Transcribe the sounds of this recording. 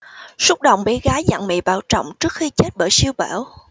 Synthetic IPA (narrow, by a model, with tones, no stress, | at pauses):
sʊ˦˥k͡p̚ɗə̰˧˨wŋ͡mɓe˨˦ɣaː˨˦jza̰˧˨ŋmḭ˧˨ɓaː˧˩wt͡ɕɔ̰˧˨wŋ͡mt͡ɕɨ˦˥ək̚xi˧t͡ɕe˦˥t̚ɓəː˧˩jsi˧əwɓaː˧˩w